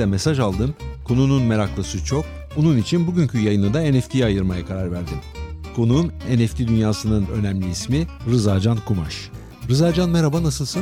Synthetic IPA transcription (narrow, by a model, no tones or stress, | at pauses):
ɛme̞saʒalˠd̪ɯmkʰo̞nununme̞ɾaklˠasɯt͡ʃʰok̚ | onunit͡ʃʰinbuɟʲyɲcʰyjajɯnɯd̪aenɛft̪ʰijajɯɾmajakʰaɾaɾvæɾd̪ɪkʰo̞numenɛft̪ʰid̪ynjaːsɯnɯnø̞̰næmlʲiismiɾɯzaːd͡ʒankʰuma̰ʃ | ɾɯzaːd͡ʒanmeɾabanasɯlˠsɯ